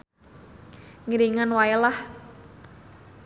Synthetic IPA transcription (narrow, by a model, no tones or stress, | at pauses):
ŋiɾiŋanwajəlah